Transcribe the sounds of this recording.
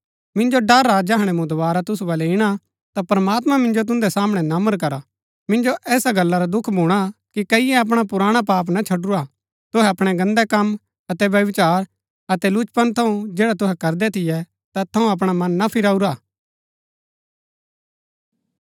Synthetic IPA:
mɪ̃nd͡ʒoɖɐɾːad͡ʒaːɦɽ̃ɛ̃mũd̪ʊbaːɾat̪ʊs̬uʋaːlɛɪɽ̃a | t̪apɾəmaːt̪mãmɪ̃nd͡ʒot̪̬ʊ̃nd̪ɛsaːmɽ̃ɛnɐməɾk̬ɐɾa | mɪ̃nd͡ʒoʔɛːsaɡɐlːaɾad̪ʊkʰbʱuːɽ̃akikɐɪjɛɐp̬ɽ̃apʊɾaːɽ̃ap̬aːp̬nat͡ʃʰɐɖʊɾa | t̪ʊɦɛɐpɽ̃ɛɡɐ̃nd̪ɛkɐm | ɐt̪ɛʋjɐʋɪt͡ʃaːɾ | ɐt̪ɛlʊt͡ʃpənt̪ʰɐũd͡ʒɛːɽat̪ʊɦɛkɐɾd̪ɛt̪ʰɪjɛ | t̪at̪ʰɐũɐp̬ɽ̃amɐnːapʰɪɾaːuɾaː

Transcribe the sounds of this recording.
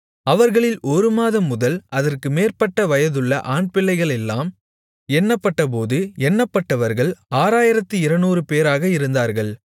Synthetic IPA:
ɐʋɐɾɣɐɭɪlɔɾɯmaːðɐmːʊðɐlɐðɐrkɯmeːrpɐʈːɐʋɐjɐðɯɭːɐ̰ʔaːɳpɪɭːɐɪɣɐɭɛlːaːm | ɛnːɐpːɐʈːɐp̬oːðɯɛnːɐpːɐʈːɐʋɐɾɣɐɭaːɾaːjɪɾɐt̪ːɯɪɾɐnuːrɯpeːɾaːɣɐɪɾɯnd̪aːɾɣɐɭ

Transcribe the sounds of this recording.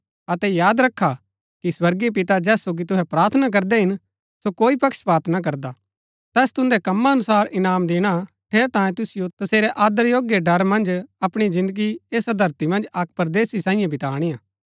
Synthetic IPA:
ɐt̪ɛjaːd̪ɾɐkʰːa | kiswɐɾɡep̬ɪt̪ad͡ʒɛːsːoːɡit̪ʊɦɛpɾaːɾt̪ʰənak̬ɐɾd̪ɛɦɪn | sokoːipɐkʃpaːɾt̪ʰnak̬ɐɾd̪a | t̪ɛːst̪ʊ̃nd̪ɛkɐmːaɐnʊsaːɾʔɪnaːmd̪eːɽ̃a | ʈʰeːɾt̪ãːjẽt̪ʊsɪjot̪ɐseːɾɛʔaːd̪əɾjoːɡjeɖɐɾmɐ̃nd͡ʒɐpɽ̃izɪ̃nd̪əɡieːsad̪ʱɐɾt̪imɐ̃nd͡ʒɐk̚pɐɾd̪eːsisãːɪ̃jãbɪt̪aːɽ̃ijaː

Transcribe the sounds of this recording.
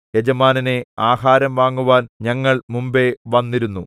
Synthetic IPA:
ed͡ʑɐmaːnɐneaːhaːɾɐmʋaːŋːuʋaːnɲɐŋːɐɭmumbe̞ʋɐnːiɾunːu

